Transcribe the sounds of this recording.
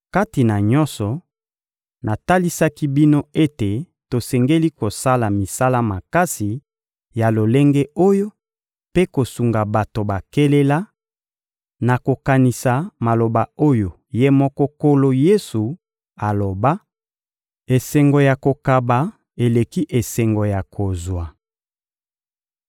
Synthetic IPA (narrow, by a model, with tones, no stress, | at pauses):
ka˦ti˨na˨ɲɔ̃˦nsɔ˨ | na˨ta˦li˦sa˦ki˦bi˦no˦e˦te˨ | to˨sɛ˨ŋɡe˦li˦ko˨sa˦la˨mi˨sa˦la˦ma˨ka˦si˨ | ja˨lo˨le˦ŋɡe˦o˦jo˦ | pe˦ko˨su˨ŋɡa˨ba˨to˨ba˨ke˦le˦la˦ | na˨ko˨ka˨ni˨sa˨ma˨lo˨ba˨o˦jo˨ | je˦mɔ˦kɔ˦ko˦lo˦je˦su˨ | a˨lo˨ba˦ | e˨sɛ˨ŋɡo˨ja˨ko˨ka˨ba˨ | e˨le˨ki˦ʔe˨sɛ˨ŋɡo˨ja˨kʰo˨zwa˨